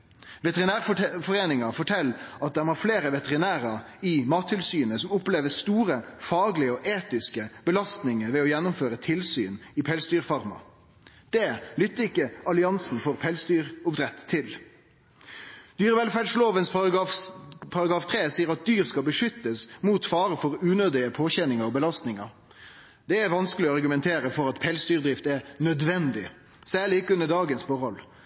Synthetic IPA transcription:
ʋɛt̪əʁɪnæːʁfɔʁeːnɪŋɑfɔʈʰɛlːɑt̪̚d̪ɛmɑːfleːɾəʋɛt̪əʁɪnæːɾɑ | ɪmɑːt̪ʰːɪlsyːənəsɔmʊpleːʋəst̪uːʁəfɑːɡlɪəɔʔeːt̪ɪskəb̥əlɑst̪nɪŋəɾʋɛɔjɛnːʊmføːʁət̪ʰɪlsy̰ːnɪpʰɛːlsd̪yːʁfɑʁmɑ̰ | d̪̥ɛlʏt̪ːəɪkːəʔɑlɪɑnsn̩fɔʁpʰɛlsd̪yːʁʊpd̪ɾɛt̪ʰːɪl | d̪̥yːɾəʋɛlfæɖʂloːʋənsɑ | pʰɑɾɑɡʁɑːft̪ʰɾeːsiːəɾɑt̪̚d̪yːʁskɑlbəʂʏt̪ːəsmuːt̪fɑːɾəfɔɾʉːnøːd̪ɪəpʰoːçɛnɪŋəɾɔbəlɑst̪nɪŋɑ | d̪ɛæɾʋɑnskəlɪɔɑʁɡʉmɛnt̪ʰeːɾəfɔɾɑt̪pʰɛlsd̪yːʁd̪ʁɪft̪ɛɾnœd̪ʋɛnd̪ɪ | sæːʁɭɪɪkːəʉnəɖɑːɡənsfɔɾhɔl

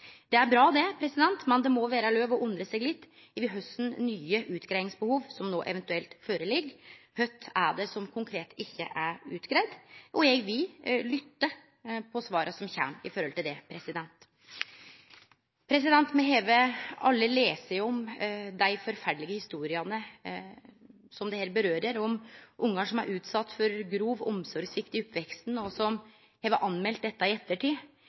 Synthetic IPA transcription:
d̪ɛæɾbɾɑːd̪ɛpʰɾɛsɪd̪ɛnt̪mɛnd̪ɛmɔʋæːɾəløːʋɔʔʊnd̪ɾəsɛɡlɪt̪ː | ʋɪɦœst̪n̩nyːəʔʉːt̪kɾæɪnɪŋsbəhuːʋsɔmnoːʔɛ̰ʋɛnt̪ʉɛlt̪føːɾəlɪɡːhœt̪ʰːæɖɛsɔmkʰʊŋkʰɾeːt̪ʰɪçːə̰ʔæɾʉːt̪kɾɛd̪ʔɔjɛɡʋɪllʏt̪ːə | pʰɔsʋɑːɾʔəsɔmçæ̰mɪ̰fɔɾhɔlt̪ɪld̪ɛpʰɾɛsɪd̪ɛnt̪ | pʰɾɛs̬ɪd̪ɛnt̪mɛɦeːʋəɑlːəleːsəɔmd̪æɪfɔɾfæɖɭɪɡəhɪst̪uːɾɪɑnə | sɔmd̪ɛhɛːɾbəɾøːɾəɾɔmʔʊŋːɑʂɔmæ̰ɾʔʉːt̪sɑt̪ːfɔɾɡɾuːʋɔmsɔɾɡsʋɪkt̪ɪɔpːʋɛkst̪n̩ɔsɔm | heːʋəʔɑnːmɛlt̪̚d̪ɛt̪ːɑɪɛt̪ːəʈʰiː

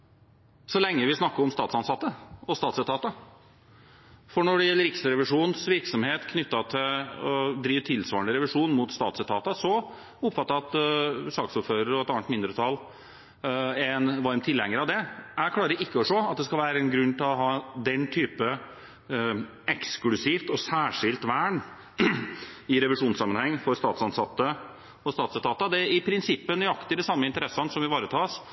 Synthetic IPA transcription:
sɔlɛŋːəʋɪsnɑkːəɾɔmst̪ɑːt̪sɑnsɑt̪ːəɔst̪ɑːt̪sɛt̪ʰɑːt̪ə | fɔɳɔɖɛjɛlːəɾɪksəɾɛʋɪʂuːnsʋɪɾksɔmheːt̪kʰnʏt̪ːɑt̪ʰɪlɔd̪ɾiːʋt̪ʰɪlsʋɑːəɳɖ̪əɾɛʋɪʂuːnmʊt̪st̪ɑ̰ːt̪sɛt̪ʰɑːt̪əsɔ | ʊpːfɑt̪ːəɑt̪sɑːksʊɾføːɾəɾɔɛt̪ɑnt̪mɪnd̪ɾət̪ʰɑl | ɛnʋɑɾmt̪ʰɪlːɛŋːəɾɑʋd̪ɛækʰlɑːɾəɾɪkːəɔʂoːɑt̪̚d̪ɛskɑlʋæːɾəɛnɡɾʉnːt̪ɪlɔɦɑːd̪ɛnːt̪ʰyːpə | ɛksklʉsift̪ɔsæːʂɪlt̪ʋæːɳ | ɪɾɛʋɪʂuːnsɑmːənhɛŋːfɔɾst̪ɑːt̪sɑnsɑt̪ːə | ɔst̪ɑːt̪sɛt̪ɑːt̪əd̪ɛɪpʰɾɪnsɪpːənʏɑkt̪əɪd̪ɛsɑmːəɪnt̪əɾɛsːɑnsɔmʋɪʋɑːɾət̪ʰɑːs

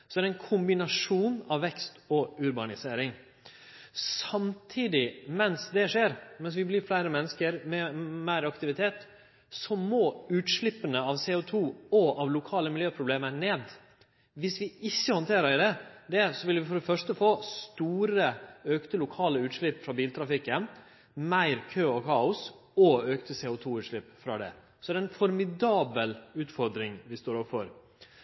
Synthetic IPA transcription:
sɔd̪æɾɛnkʰʊmbɪnɑʂuːnɑʋːɛkst̪ɔʉɾbɑnɪseːɾɪŋ | sɑmt̪ʰiːd̪ɪmɛnsd̪ɛʂeːɾmɛns̬ʋɪblɪɾflæɪɾəmɛnːəskəɾmɛmæɪɾɑkt̪ɪʋɪt̪ʰeːt̪ | sɔmoːʉːt̪ʂɭɪpːənəɑʋseːʊt̪ʰuːɔʔɑʋlʊkʰɑːləmɪljøːpʰɾʊbleːməɾneːd̪ | ʋɪsʋɪɪçːəhɔnt̪ʰeːɾəɾɪd̪ɛd̪ɛsɔʋɪlʋɪfɔɖɛfœʂt̪əfoːst̪uːɾəøːkt̪əlʊkʰɑːləʉːt̪ʂɭɪpːfɾɑbiːlt̪ʰɾɑfɪkːən | mæɪɾkʰøːɔkʰɑːʊs | ɔøːkt̪əsɛːʊt̪ʰuːʉːt̪ʂɭɪpːfɾɑ̰d̪ɛ̰ | sɔd̪æɛɾɛnfɔɾmɪd̪ɑːbəlʉːt̪fɔɾd̪ɾɪŋʋɪst̪oːɾɔpfɔɾ

